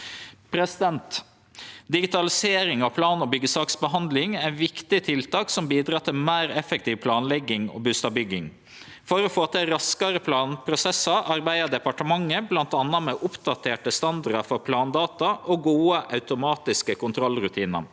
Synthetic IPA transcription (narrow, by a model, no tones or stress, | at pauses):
pʰɾɛsɪd̪ɛnt̪ | d̪ɪɡɪt̪ɑlɪseːɾɪŋɑʋpʰlɑːnɔbʏɡːəsɑːksbəɦɑnd̪lɪŋæʋɪkt̪ɪt̪ʰɪlt̪ɑːksɔmbiːd̪ɾɑːt̪ʰɪlmæːɾɛfɛk̚t̪iːʋpʰlɑːnlɛɡːɪŋɔ̰bʉst̪ɑbʏɡːɪŋ | fɔɾɔfoːt̪ʰɛɾɑskɑɾəpʰlɑːnpʰɾʊsɛsɑʔɑɾbæɪəɖ̪ɛpɑʈəmɑŋːəblɑnt̪ɑnːɑmɛʔʊpd̪̥ɑt̪ʰeːʈəst̪ɑnd̪ɑɖɑfɔɾpʰlɑːnd̪ɑːt̪ɑʔɔɡuːəʔɑʉt̪ʊmɑːt̪ɪskəkʊnt̪ʰɾɔlːɾʉt̪ʰiːnɑ̰